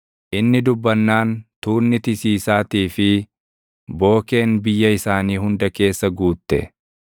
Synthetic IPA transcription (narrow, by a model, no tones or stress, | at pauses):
ʔɪnːɪd̪ʊbːɐnːaːnt̪uːnːɪt̪ɪsiːsaːt̪iːfɪ | bo̞ːke̞ːnbɪjːɐɪsaːniːɦʊnd̪ɐke̞ːsːɐɡuːt̪ːɛ̰